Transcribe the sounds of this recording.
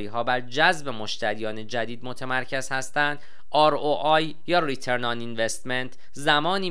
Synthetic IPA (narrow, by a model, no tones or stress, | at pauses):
iːɦɒːbæɾd͡ʒæzbe̞mo̞ʃt̪ʰæɾijɒːne̞d͡ʒæd̪iːd̪mo̞t̪ʰemæɾcʰez̥hæst̪ænd̪ | ʔɒːɾoʔɒːj | jɒːrit̪ʰe̞ɾnɒninvest̪ment̪ʰ | zæmɒːniː